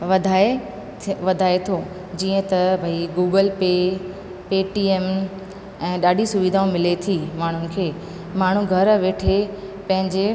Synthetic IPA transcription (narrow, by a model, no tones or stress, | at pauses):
ʋɐd̪ʱaːe | ʋɐd̪ʱaːet̪ʰo | d͡ʑiːə̃t̪ɐbʱɐiɡuːɡəlpe | peʈiːem | ɛ̃ːɗaːɖʱisʊʋid̪ʱaːõmɪlet̪ʰimaːɳ̤ʊnɪ̆kʰeː | maːɳ̤ũɡʱɐɾʋeːʈʰe | pɐ̃ɦɪ̃ɲd͡ʑe